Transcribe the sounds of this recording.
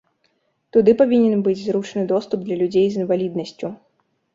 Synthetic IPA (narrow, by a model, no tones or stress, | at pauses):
t̪ud̪ɨpavʲinʲɛnbɨd͡zʲzɾut͡ʂnɨd̪ɔst̪ub̚d̪lʲɐlʲud͡zʲejzɨnvalʲid̪nɐsʲt͡sʲu